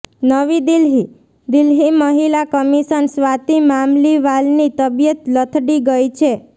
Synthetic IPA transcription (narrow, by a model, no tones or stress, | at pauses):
nəʋid̪ɪlɦi | d̪ɪlɦiməɦilakəmiʃənsʋat̪imamliʋalnit̪əbijət̪lət̪ʰɖiɡəjt͡ʃʰe